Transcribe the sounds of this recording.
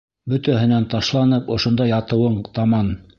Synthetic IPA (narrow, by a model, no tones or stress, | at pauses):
bɵ̆t̪æɦɘ̆nænt̪ɑʃlˠɑnɤpŏʃŏnd̪ɑjɑt̪ɤ̆wɤɴt̪ɑmɑn